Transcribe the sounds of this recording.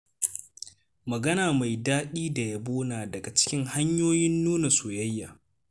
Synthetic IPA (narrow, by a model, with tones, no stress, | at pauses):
mɐ˨ɡɐ˦naː˨ma˨jdaː˦ɗiː˦da˨ja˦boː˦naː˨dɐ˨ɡa˨t͡ʃɪ̥˦kʲɪ˦ŋha˦ɲjoː˦jɪ˦nːuː˦na˨soː˨jɐ˦jːa̰ː˨